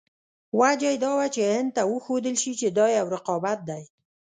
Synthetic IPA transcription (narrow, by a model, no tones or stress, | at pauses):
wad͡ʒajd̪ɑwat͡ʃehɪnd̪̚t̪awəxod̪əlʃit͡ʃed̪ɑjawɾɪqɑbat̪̚d̪aj